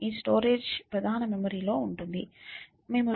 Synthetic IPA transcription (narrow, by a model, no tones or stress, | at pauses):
iːsʈoːɾeːd͡ʒpɾɐd̪ʱaːnɐmɛmɐɾiːlo̞ːuɳʈund̪i | me̞ːmu